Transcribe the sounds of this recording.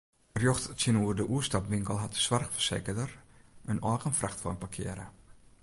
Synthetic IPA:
rjoxtsjənuərdəʔuəstapʋɪŋkəlˠɦatəswarxfərseːkədərənɔːɣənfraxtfɔənpakʰɪ̰əɾə

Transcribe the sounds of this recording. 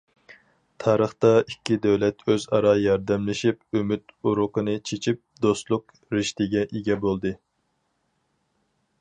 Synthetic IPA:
t̪ʰɑːɾəχt̪ɑʔikʲʰːid̪ɛwlɛt̪ʰøzɑɾɑjɑɾd̪ɛmlɪʃipømyt̪uɾʊqənɨt͡ʃʰet͡ʃʰip̚d̪ost̪lˠʊq | ɾɪʃt̪ɪɡʲɛʔiɡʲɛbolˠd̪ɨ

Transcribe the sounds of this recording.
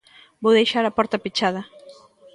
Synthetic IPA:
bowðejʃaɾɐpɔɾt̪ɐpit͡ʃaðɐ

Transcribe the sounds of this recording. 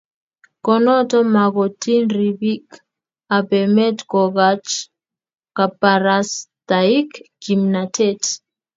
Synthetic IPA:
kɔnɔtɔmaɣɔtinribik | abɛmɛtkɔɣat͡ʃ | kapaɾastaikɡimnatʰɛt

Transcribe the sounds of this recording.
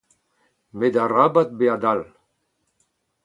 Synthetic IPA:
med̪arabat̪̚bead̪al

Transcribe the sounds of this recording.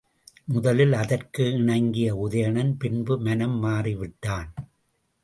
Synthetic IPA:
mʊðɐlɪlɐðɐrkɯɪɳɐɪŋɡɪjɐʊðɐjɐɳɐnpɪnbɯmɐnɐmːaːriʋɪʈːaːn

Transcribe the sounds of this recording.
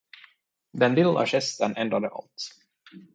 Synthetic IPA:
d̪ɛnlɪlːa̰ɕɛst̪ənɛnd̪ɾad̪əʔa̰lt̪

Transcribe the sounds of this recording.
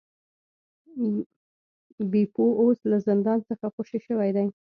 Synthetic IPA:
bepooslazɪnd̪ɑnt͡səxaxoʃeʃəwajd̪aj

